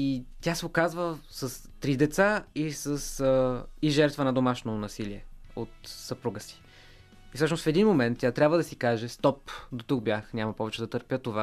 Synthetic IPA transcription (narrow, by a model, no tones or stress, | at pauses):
it̪ʲjasɛokazvə | sɐs | t̪ɾid̪ɛt̪saisəsəiʒɛɾt̪vənɐd̪omaʃnonɐsiliɛot̪səpɾuɡəsi̥ | isɔʃnʊsfɛd̪inmomɛnt̪̚ʲːjat̪ɾʲabvəd̪ɐsikaʒɛst̪ɔpd̪ot̪uk̚bjaxnʲamɐpɔvɛt͡ʃɛd̪ɐt̪əɾpʲjət̪ova